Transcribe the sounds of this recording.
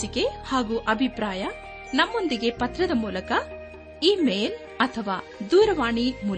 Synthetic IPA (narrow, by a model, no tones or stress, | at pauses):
ike̞haːɡuːʔɐbʱipɾaːjɐ | nɐmːo̞nd̪iɡe̞pɐt̪ɾɐd̪ɐmuːlɐkɐ | iːmeːl | ɐt̪ʰɐʋaː | d̪uːɾɐʋaːɳimuːl